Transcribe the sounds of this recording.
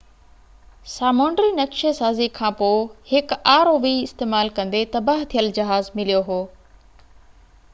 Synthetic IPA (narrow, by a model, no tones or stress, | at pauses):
saːmõːɳɖɾinɐkʃesaːzikʰãːpoːɪhɪkaːɾoːʋiɪst̪eːmaːlkɐ̃nd̪et̪ɐbaːɦt̪ʰijəld͡ʑɐɦaːzmɪlijoɦoː